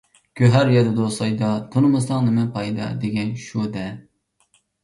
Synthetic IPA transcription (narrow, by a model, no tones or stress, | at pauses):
kʲʰøɦæɾjɛd̪ɨd̪osɑjd̪ɑt̪ʰunɨmɨsɑŋnɨmɛpʰɑjd̪ɑ̰d̪eɡʲɛnʃud̪ɛ